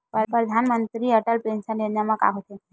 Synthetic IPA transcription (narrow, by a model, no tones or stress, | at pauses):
ppɾəd̪ʱanmənt̪ɾiəʈəlpensənːenjamãka̰ɦot̪e